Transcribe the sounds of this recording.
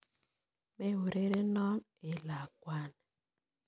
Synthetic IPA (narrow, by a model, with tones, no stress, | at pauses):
me˦wo˨ɾe˦ɾe˦nɔ˦n | e˨la˨kwa˦n˨